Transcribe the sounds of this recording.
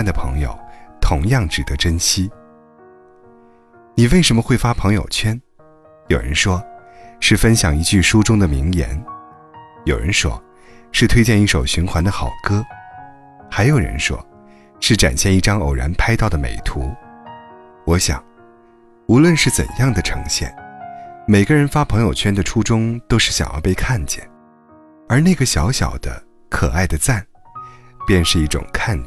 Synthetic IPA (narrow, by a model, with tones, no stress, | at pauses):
nd̪ə˨pʰɤ̰˧˥ŋjo̰˧˩ʊt̪ʰʊ˧˥ŋjɑ˥˩ŋʈ͡ʂɻ̩˨˩t̪ɤ˧˥ʈ͡ʂə˥nɕi˥ | ni˨˩we˥˩ɪʂə˧˥mə˧xwe˥˩ɪfa˥pʰɤ˧˥ŋjo̰˨˩ʊt͡ɕʰɥɛ˥n | jo˨˩ʊɻə̰˧˥nʂwɔ˥ʂɻ̩˥˩fə˥nɕjɑ˨˩ŋi˧˥t͡ɕy˥˩ʂu˥ʈ͡ʂʊ˥ŋd̪ə˨mi˧˥ŋjɛ̰˧˥n | jo˨˩ʊɻə̰˧˥nʂwɔ̰˥ | ʂɻ̩˥˩t̪ʰwe˥ɪt͡ɕjɛ˥˧ni˥˩ʂo˨˩ʊɕy˧˥nxʰwa˧˥nd̪ə˧xɑ˨˩ʊkɤ˥ | xa˧˥ɪjo˨˩ʊɻə̰˧˥nʂwɔ̰˥ | ʂɻ̩˥˩ʈ͡ʂa̰˨˩nɕjɛ˥˧ni˥˩ʈ͡ʂɑ˥ŋo̰˨˩ʊɻa̰˧˥npʰa˥ɪt̪ɑ˥˩ʊd̪ə˩mḛ˨˩ɪt̪ʰu˧˥ | wɔ˧˥ɕjɑ̰˨˩˦ŋ | u˧˥lwə˥˧nʂɻ̩˥˩t͡sə̰˨˩njɑ˥˩ŋd̪ə˩ʈ͡ʂʰɤ̰˧˥ŋɕjɛ̰˥˩n | me˨˩ɪɡə˥˧ɻə˧˥nfa˥pʰɤ˧˥ŋjo˨˩ʊt͡ɕʰɥɛ˥nd̪ə˨ʈ͡ʂʰu˥ʈ͡ʂʊ˥ŋt̪o˥ʊʂɻ̩˥˩ɕjɑ̰˨˩ŋjɑ̰˥˧ʊpe˥˧ɪkʰa˥˩nt͡ɕjɛ̰˥˩n | ə˞˧˥na˥˩ɡə˩ɕjɑ˧˥ʊɕjɑ˨˩ʊd̪̥ə̰˦ | kʰɤ˨˩a˥˩ɪd̪ə˩t͡sa˥˩n | pjɛ˥˧nʂɻ̩˥˧i˥˩ʈ͡ʂʊ̰˨˩ŋkʰa˥˩n